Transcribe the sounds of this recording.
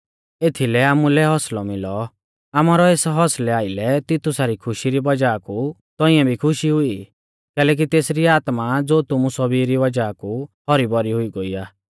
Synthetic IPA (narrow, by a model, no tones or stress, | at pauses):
eːt̪ʰilɛaːmulɛɦɔslɔmɪlɔ | aːmaːɾɔeːsɦɔslɛaːɪlɛt̪ɪt̪ʊsaːɾikʰʊʃiɾibɐd͡ʒaːku | t̪ɔɪ̃ɛ̃bʱikʰʊʃiɦʊi | kɛːlɛːk̬it̪eːsɾiaːt̪mad͡zoːt̪ʊmusɔbiɾiʋɐd͡ʒaːkuhɔɾibɔɾiɦʊiɡoːiːaː